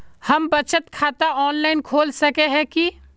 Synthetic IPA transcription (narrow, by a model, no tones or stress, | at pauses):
hɐmbɐt͡ʃət̪kʰaːt̪aɔːnlaːɪnkʰoːlsɐkeɦɛ̃ki